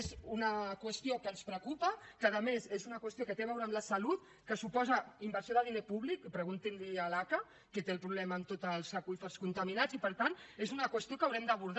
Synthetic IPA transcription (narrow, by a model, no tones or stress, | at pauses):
zunəkwəst̪iokənspɾəkupəkəðəmezezunɐkwəst̪iokət̪eβɛwɾəmləsɐlut̪ | kəsupɔzəimbəɾsjoðəðinepuβlikpɾəɣunt̪inliəlakə | kət̪elˠpɾuβlɛmaəːmt̪ot̪əlˠsakufəɾskunt̪aminad͡zipəɾt̪anezunəkwəst̪iokawɾɛmd̪əβuɾð